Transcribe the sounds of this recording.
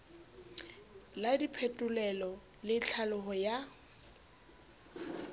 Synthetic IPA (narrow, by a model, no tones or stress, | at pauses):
ladipʰetʼʊlɛlɔ | lɪt͡ɬʰalʊɦɔja